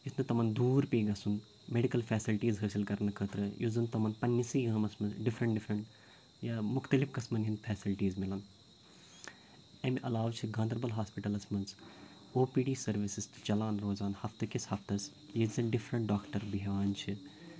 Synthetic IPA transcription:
d͡ʒisʰnɨt̪ɐmɐnd̪uːɾpiːɡɐsun | meɖikɐlpʰɛːsilʈiːzɦəːsilkɐɾnɐkʰəːt̪ɾɨjoːzɨnt̪ɐmɐnpɐnːisiːɡɐːmɐsmɐnzɖɪfʰɾɐɳʈɖɪfʰɾɐɳʈ | jamʊxt̪ɐlifkɐsmɐnɦinpʰɛːsilʈiːzmilɐn | ɐmeʔɐlaːʋt͡ʃʰiɡãːnd̪ɾbɐlɦaːspiʈɐlɐsmɐnz | oːpiːɖiːsɐɾʋisist̪ɨ̥t͡ʃɐlaːnɾoːzaːnhɐft̪ɨkishɐft̪ɐs | jizɐnɖɪfʰɾɐ̃ɳʈ̚ɖaːkʈɐɾbiɦʋaːnt͡ʃʰi

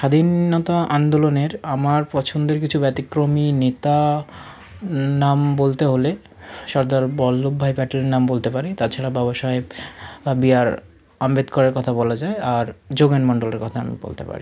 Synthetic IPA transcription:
ʃad̪ʱinːɔt̪aʔand̪oloneɾamaɾpɔt͡ɕʰond̪eɾkit͡ɕʰubɛt̪ikɾominet̪a | nambolt̪eɦole | ʃɔɾd̪aɾbɔlːubʱajpɛʈoleɾnambolt̪epaɾit̪at͡ɕʰaɽabɛbaʃɔebbiaɾ | ambed̪kɔɾaɾkɔt̪ʰabɔlad͡ʑaeaɾd͡ʑoɡenmɔɳɖoleɾkɔt̪ʰaa̰mḭbo̰lt̪ḛpa̰ɾḭ

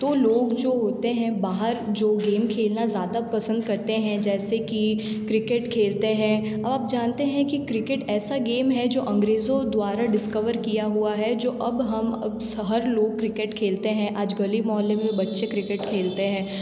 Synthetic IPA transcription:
t̪oːloːɡd͡ʒoːɦoːt̪eɦɛ̃baːɦəɾd͡ʒoːɡeːmkʰeːlnazjaːd̪apɐsə̃nd̪kɐɾt̪eɦɛ̃d͡ʒɛːseki | kɾɪkeʈkʰeːlt̪eɦɛ̃ | ɐbaːp̚d͡ʒaːnt̪eɦɛ̃kikɾɪkɪʈɛːsaɡeːmɦɛd͡ʒoːʔɐ̃ŋɡɾeːzõd̪waːɾaɖɪskəʋəɾkijaɦuaɦɛd͡ʒoːʔɐbɦɐmsɦɐɾloːɡ̚kɾɪkeʈkʰeːlt̪eɦɛ̃ʔaːd͡ʒɡɐlimɔːlːẽmẽbɐtːʃekɾɪkeʈkʰeːlt̪eɦɛ̃ː

